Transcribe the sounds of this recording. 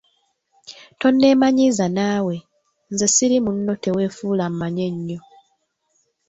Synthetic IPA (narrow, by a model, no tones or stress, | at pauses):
to̞nːe̞ːmaɲiːzanaːwe̞ | nzesiɾimunːo̞te̞we̞ːfuːlammaɲe̞ɲːo̞